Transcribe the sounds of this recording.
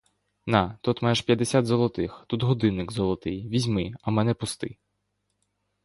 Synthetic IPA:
nat̪ut̪majʃpʲjɐd̪esʲat̪zɔlˠɔt̪ɪxt̪ut̪ɦɔd̪ɪnːɪkzɔlˠɔt̪ɪjʋʲizʲmɪɐmɛnɛpʊst̪ɪ

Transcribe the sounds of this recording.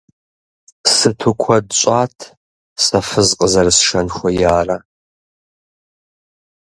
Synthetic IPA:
sɨtʰukʷʰɔdɕʷʼaːtʰ | sɐfɨzqʼəzɐrsʂɐnxʷɔjaːra

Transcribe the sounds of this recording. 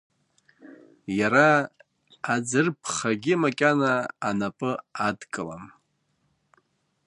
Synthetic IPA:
jaɾa | ad͡zɨrpʰχaɡʲimakʲʼanaːnapʼɨadkʼɨla̰m

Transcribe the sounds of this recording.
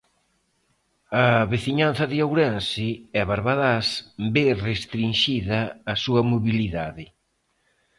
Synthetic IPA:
ɐβeθiɲan̟θɐðɪawɾɛnsɪɛβaɾβaðasberest̪ɾinʃiðɐːsuɐmoβiliðaðɪ

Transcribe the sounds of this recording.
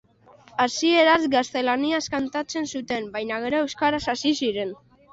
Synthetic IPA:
asie̞ɾazɡast̪e̞laniaskant̪at͡se̞nsut̪e̞mbajnaɣeɾoe̞wskaɾasasisiɾe̞n

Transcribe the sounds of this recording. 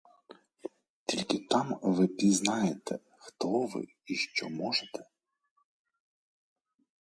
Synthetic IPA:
t̪ʲilʲkɪt̪ɑmʋɪpʲiznɑjet̪ɛ | xt̪ɔʋɪ̰ | iʃt͡ʃɔmɔʒet̪ɛ̥

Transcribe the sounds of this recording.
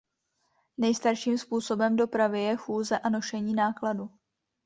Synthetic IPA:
nɛjst̪aɾʃiːmspuːso̞bɛmdo̞pɾavɪjɛxuːzɛʔano̞ʃɛɲiːnaːkladu

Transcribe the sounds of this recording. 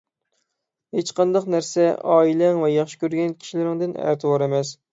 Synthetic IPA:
het͡ʃqɑnd̪ɑqnæɾsɛʔɑ̰ːilɛŋvɛjɑχʃi̥kʲʰøɾɡʲɛnkʲʰi̥ʃilɪɾɪŋd̪ɪnæ̰ɾt̪ʰɨwɑɾemɛs

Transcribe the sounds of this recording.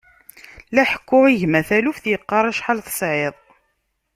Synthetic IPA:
læħə̥kːʊʁiʝmæθælufθjəqːɑɾˤæʃħalθə̥sʕeðˤ

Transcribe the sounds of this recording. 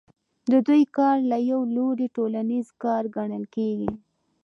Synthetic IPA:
d̪əd̪ujkɑɾlajawloɾiʈolanizkɑɾɡaɳəlkeɡi

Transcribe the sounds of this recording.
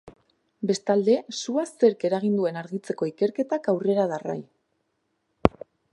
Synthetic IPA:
be̞st̪ald̪e̞suase̞ɾke̞ɾaɣ̞ind̪ue̞naɾɣit͡se̞ko̞ike̞ɾke̞t̪akawre̞ɾaðara̰j

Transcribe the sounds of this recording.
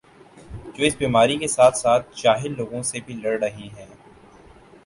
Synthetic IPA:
d͡ʒoːɪsbiːmaːɾikesaːt̪ʰsaːt̪̚ʰd͡ʒaːɦɪlːoːɡõsebʱilɐɽɾɐɦiɦɛː

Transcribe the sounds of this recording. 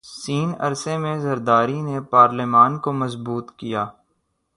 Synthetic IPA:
siːnɐ̰ɾsemẽzɐɾd̪aːɾinepaːɾlemaːnkomɐzbuːt̪kijaː

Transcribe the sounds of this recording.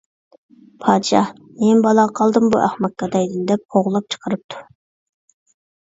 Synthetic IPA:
pʰɑːd̪ɨʃɑ | mɛnbɑlˠɑqʰɑlˠd̪ɨmbṵʔæχmɑk̪̚kɑd̪ɛjd̪ɪnd̪ɛp̚oʁlˠɑp̚t͡ʃʰə̥qʰəɾɨp̚t̪ʰu̥

